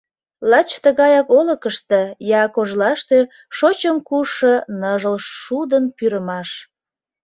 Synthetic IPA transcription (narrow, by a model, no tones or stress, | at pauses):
lɑt͡ɕt̪əɣɑjɑkoləkəʃt̪ejɑkoʒlɑʃt̪e | ʃot͡ɕəmkuʃənəʒəlʃːud̪ənpyɾəmɑʃ